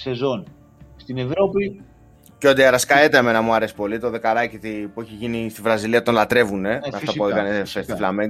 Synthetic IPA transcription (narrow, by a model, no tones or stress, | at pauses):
se̞zo̞n | st̪inevɾo̞pi | ceo̞d̪iɐɾɐskɐet̪eeme̞nɐmuɐɾe̞si̥po̞lit̪oðe̞kɐlɐcit̪ipueçiʝinist̪ivɾɐziliɐt̪o̞nlɐt̪ɾe̞vune̞ɐft̪ɐpuekɐnefest̪iflɐmen